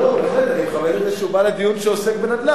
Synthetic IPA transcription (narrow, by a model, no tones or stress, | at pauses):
olaχed̪eɡamejuzeʃubaled̪ijunʃeosekbenad̪la